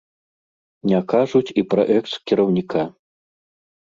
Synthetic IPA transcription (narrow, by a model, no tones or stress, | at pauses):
nʲakaʐut͡sʲipɾɐ̰ʔɛkskʲiɾɐwnʲikʰa